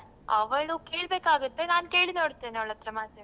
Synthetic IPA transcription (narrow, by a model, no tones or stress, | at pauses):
ɐ̰ʋɡɐɭukeːɭbe̞ːkaːɡut̪ːe̞naːnke̞ːɭinoːɽt̪ːe̞ːnɐʋɭɐt̪ɾɐmaːt̪ɐ